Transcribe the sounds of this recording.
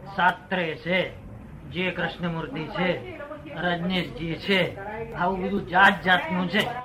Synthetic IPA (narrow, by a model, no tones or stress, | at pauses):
sat̪ːɾet͡ʃʰe | d͡ʒekɾɪʃnəmuɾd̪it͡ʃʰe | ɾəd͡ʒneʃd͡ʒet͡ʃʰeaʋũbəd̪ʱũd͡ʒat̪̚d͡ʒaːt̪nũt͡ʃʰe